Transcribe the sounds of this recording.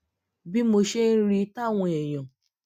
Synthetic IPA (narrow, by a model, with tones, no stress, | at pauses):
bi˦mo˧ʃe˦n̩˦ɾi˦ta˦˨ŋʷ˨e˨jɔ̃˨